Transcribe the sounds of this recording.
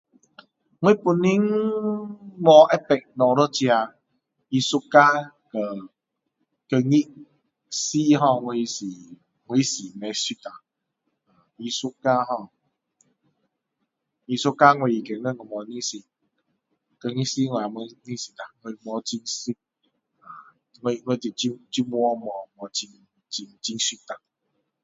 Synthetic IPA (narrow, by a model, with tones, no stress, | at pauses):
ŋwẽ˦pu˧nːi˦ŋ | mɔ˧ʔɛ˦pɛ˨k̚nɔ̃˨ɾə˦t͡ɕja˧ | i˧su˦ka˦ | kə˧ | kə˧ŋi˦ʔ | si˦ɦɔ̃˧˨ŋwe˧si˨ | ŋʷwe˧˦si˨mɛ̃˧si˦ta˨ | a˨i˧su˦ka˦ɦɔ̃˧˨ | i˧su˦ka˦ŋwe˧i˨˧ke˨nə̃˦˨kə˨mɔ˧nĩ˦si˧ | kə˧ŋi˦ʔsi˦ŋʷwʷme˧nĩ˦si˧t̪a˨ŋe˧i˧mɔ˧t͡ɕi˧ŋsi˦ | ã˨ | ŋʷwe˧ŋwe˧t̪i˨t͡ɕi˦t͡ɕi˦mwɔ˦mɔ˨˧mɔ˧t͡ɕi˧ŋ | t͡ɕi˧ŋt͡ɕi˧ŋsi˦t̪a˨